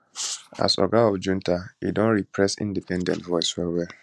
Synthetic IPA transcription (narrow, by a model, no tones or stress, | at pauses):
a̰sɔ̰ɡaɔfd͡ʒũntaḭdɔ̃nɹipʰɹɛsḭ̃ndipɛ̃ndɛ̰̃ntvɔɪswɛwɛl